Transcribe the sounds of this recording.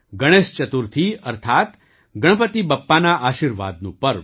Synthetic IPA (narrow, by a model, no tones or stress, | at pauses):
ɡəɽ̃est͡ʃət̪uɾt̪ʰiɐɾt̪ʰaːt̪ | ɡəɳ̃pət̪ibɐpːanaʔaːʃiːɾʋa̰ːd̪̚nṵ̃pəɾ